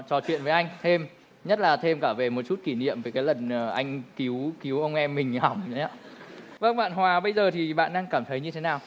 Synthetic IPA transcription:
t͡ɕɔ˨˦t͡ɕwḭ˧˨ənvə˨˦ʔa˧jŋ̟t̪ʰe˧m | ɲə˦˥t̚laː˨˩t̪ʰe˧mkaː˧˩ve˨˩mo˨˩t̚t͡ɕu˦˥t̚ki˧˩nḭ˧˨əmvəː˨˩jkaː˨˦jlə˨˩nəː˨˩ʔa˧jŋ̟ki˨˦wki˨˦wʔə˧wŋ͡mʔɛ˧mːï˨˩ŋ̟ha˨˩wŋ͡ma˧˦və˧ŋɓa̰ː˧˨nɦwaː˨˩ɓə˧jzəː˨˩t̪ʰi˨˩ɓa̰ː˧˨nɗaː˧ŋkaː˧˩mt̪ʰə˨˦jɲɨ˧t̪ʰe˨˦naː˨˩w

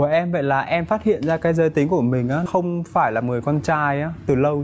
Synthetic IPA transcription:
u˧˩əʔɛ˧mvə̰˧˨jlaː˨˩ʔɛ˧mfaː˦˥t̚hḭ˧˨ənzaː˧kaː˨˦jzəː˧jt̪ï˨˦ŋ̟ku˧˩əmï˨˩ŋ̟ʔaː˨˦xə˧wŋ͡mfaː˧˩jlaː˨˩mɨ˨˩əjkɔ˧nt͡ɕaː˧jʔaː˨˦t̪ɨ˨˩lə˧w

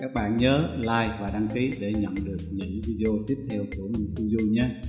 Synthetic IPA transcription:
kaː˦˥k̚ɓa̰ː˧˨nɲəː˨˦laː˧jvaː˨˩ɗa˧ŋki˨˦ɗe˧˩ɲə̰˧˨nɗɨ˨˩ək̚ɲɨ̰˧˥ŋvi˧ɗe˧ʔo˧t̪i˦˥p̚t̪ʰɛː˧wku˧˩əmi˨˩nt̪u˧zu˧ɲaː˨˦

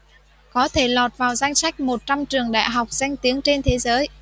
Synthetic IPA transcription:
kɔ˨˦t̪ʰe˧˩lɔ˨˩t̚vaː˨˩wza˧jŋ̟sa˦˥jk̟̚mo˨˩t̚t͡ɕa˧mt͡ɕɨ˨˩əŋɗa̰ː˧˨jɦa˨˩wk͡p̚z̥a˧jŋ̟t̪i˨˦əŋt͡ɕe˧nt̪ʰe˨˦zəː˨˦j

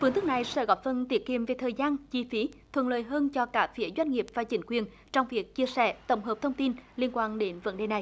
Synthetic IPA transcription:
fɨ˨˧əŋt̪ɨ˦˥k̚na˨˩jsɛ̰˧˥ɣɔ˨˦˥p̚fə˨˧˩nt̪i˨˦əki˨əmve˨˩t̪ʰəː˨˩jzaː˧nt͡ɕi˧fi˨˦t̪ʰwə̰˧˨nlə̰ː˨jɦəː˧nt͡ɕɔ˧kaː˧˩fi˨˦əzwa˧jŋ̟ŋi˨˩əp̚vaː˨˩t͡ɕï˨˦ŋ̟kwi˨˩ən | t͡ɕɔ˧wŋ͡mvi˨˩ək̚t͡ɕi˧əsɛ̰˧˩t̪ə̰˧˩wŋ͡mɦəː˨˩p̚t̪ʰə˧wŋ͡mt̪i˧nli˧ənkwaː˧nɗe˨˦nvə̰˨˦˥nɗe˨˩na˨˩j

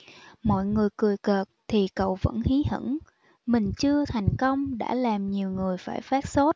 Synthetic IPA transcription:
mɔ̰˧˨jŋɨ˨˩əjkɨ˨˩əjkəː˨˩k̚t̪ʰi˨˩kə̰˧˨wvə̰˧˥nhi˨˦hə̰˧˥n | mï˨˩ŋ̟t͡ɕɨ˧ət̪ʰa˨˩jŋ̟kə˧wŋ͡mɗa̰ː˧˥laː˨˩mɲi˨˩əwŋɨ˨˩əjfaː˧˩jfaː˦˥t̚so˦˥t̚

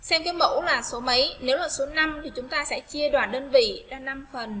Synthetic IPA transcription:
sɛ˧mka˨˦mo̰˧˥wlaː˨˩so˨˦mə˨˦jne˨˦wlaː˨˩so˨˦na˧mt̪ʰi˨˩t͡ɕʊ˨˦ŋ͡mt̪aː˧sɛ̰˧˥t͡ɕi˧əɗwaː˨˩nɗəː˧nvḭ˧˨zaː˧na˧mfə˨˩n

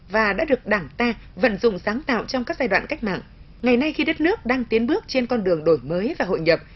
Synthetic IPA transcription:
vaː˨˩ɗa̰ː˧˥ɗɨ˨˩ək̚ɗaː˧˩ŋt̪aː˧və̰˧˨nzʊ̰˧˨ŋ͡msaː˨˦ŋt̪a̰ː˧˨wt͡ɕɔ˧wŋ͡mkaː˦˥k̚zaː˧jwa̰ː˧˨nka˦˥jk̚ma̰ː˧˨ŋ | ŋa˨˩jna˧jxi˧ɗə˦˥t̚nɨ˦˥ək̚ɗaː˧ŋt̪i˨˦ənɓɨ˦˥ək̚t͡ɕe˧nkɔ˧nɗɨ˨˩əŋɗo˧˩jməː˨˦jvaː˨˩ɦo̰˧˨jɲə˨˩p̚

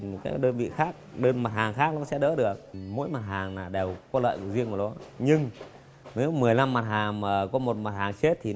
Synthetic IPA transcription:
kaː˨˦˥k̚ɗəː˧nvḭ˧˨xaː˦˥k̚ɗəː˧nma˨˩t̚haː˨˩ŋxaː˦˥k̚la˨˦sɛ̰˧˥ɗə̰ː˧˥ɗɨ˨˩ək̚mo̰˧˥jma˨˩t̚haː˨˩ŋnaː˨˩ɗe˨˩wkɔ˨˦lə̰ː˧˨jvə̰˧˨˩zi˧əŋkɔ˨˩lɔ˨˦ɲɨ˧ŋ | ne˨˦wmɨ˨˩əjla˧mːa˨˩t̚haː˨˩ŋmaː˨˩kɔ˨˦mo˨˩t̚ma˨˩t̚haː˨˩ŋt͡ɕe˦˥t̚t̪ʰi˨˩˦

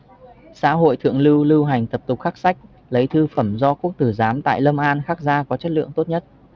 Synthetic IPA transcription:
sa̰ː˧˥ɦo̰˧˨jt̪ʰɨ̰˧˨əŋlɨ˧wlɨ˧wɦa˨˩jŋ̟t̪ə˨˩p̚t̪ʊ˨˩k͡p̚xaː˦˥k̚sa˦˥jk̟̚ | lə˨˦jt̪ʰɨ˧fə˧˩mzɔ˧ku˦˥ək̚t̪ɨ˧˩zaː˨˦mt̪a̰ː˧˨jlə˧mʔaː˧nxaː˦˥k̚zaː˧kɔ˨˦t͡ɕə˦˥t̚lɨ̰˧˨əŋt̪o˦˥t̚ɲə˦˥t̚

